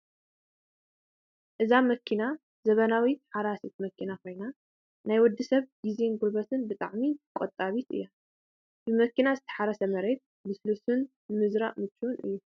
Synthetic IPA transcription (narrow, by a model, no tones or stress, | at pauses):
ʔɨzamɐkʰina | zɐβɐnawiħaɾasit̪̚mɐkʰːinakʰo̞jna | najwɔd̪ːisɐβɡ̥izenɡulbɐt̪ʰɨnbɨt̪ʼaʕmikʼot̪ʼːaβit̪ʰɨ̰jːa | bɨmɐkinazɨt̪ʰɐ̥ħaɾɐsɐmɐɾet̪̚ | bɨslusɨnː | ɨmɨzɾaʔmɨt͡ʃːuunɨ̰jːu